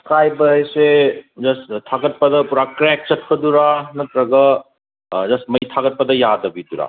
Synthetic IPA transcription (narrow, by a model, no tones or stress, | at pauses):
skajbɐjsed͡ʒɐstʰaɡɐt̚pɐdɐpuɾakɾek̚t͡ʃɐt̚kʰɐduɾanɐtɾɐɡɐ | d͡ʒɐstmɐjtʰaɡɐt̚pɐdɐjadɐbiduɾa̰